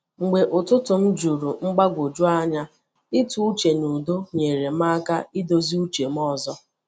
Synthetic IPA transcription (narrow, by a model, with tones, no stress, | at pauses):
ŋ͡m̩˨ɡ͡be˨ʔʊ˨tʊ˦tʊ˨m̩˦d͡ʒu˨ɾu˨ŋ͡m̩˦ɡ͡ba˦ɡʷo˨d͡ʒu˦a˦ɲa˦ | ɪ˦tu˦u˦t͡ʃe˨nu˨do˦ɲe˨ɾe˨m˦a˦ka˦i˦do˦zi˦u˦t͡ʃe˨m̩˦ɔ˦zɔ˦